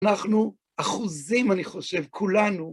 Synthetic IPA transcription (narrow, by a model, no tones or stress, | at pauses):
naχnu | aχuzimaniχo̞ʃe̞vkʰulanu